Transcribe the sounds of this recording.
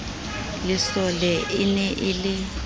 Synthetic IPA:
lɪsɔlɛʔɪnɛʔɪlɪ

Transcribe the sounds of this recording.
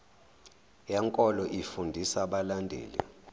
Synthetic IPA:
jɛŋkʼɔlɔʔifundʱisaɓalandʱḛːlḭ

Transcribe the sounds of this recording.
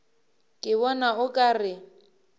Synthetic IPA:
kʼɪβɔnaʊkʼarɪ

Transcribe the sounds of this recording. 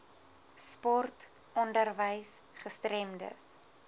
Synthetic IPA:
spɔrt | ɔndərvəjsχəstrɛmdə̰s

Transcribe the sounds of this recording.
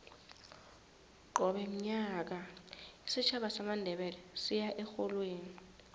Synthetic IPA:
ǃɔɓɛm̩ɲak̬aisit͡ʃʰaɓasamandʱɛɓɛlɛsijaʔɛxɔlweːni

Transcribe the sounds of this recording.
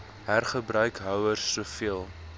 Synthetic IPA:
ɦærχəbrœɥkɦœwərsːuəfiəlˠ

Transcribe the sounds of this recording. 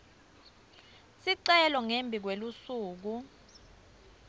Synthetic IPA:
siǀɛlɔŋembʱik̬welusuːk̬u

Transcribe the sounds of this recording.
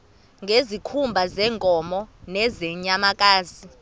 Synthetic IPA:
ŋɡʱezikʰumbʱazɛːŋkʼɔmɔnɛzɛɲamakʼaːzi

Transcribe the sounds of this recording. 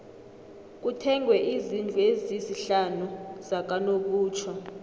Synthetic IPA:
k̬ʼutʰɛŋwɛʔizind͡ɮʱueziziɬanuzak̬anok̬uːt͡ʃʰɔ

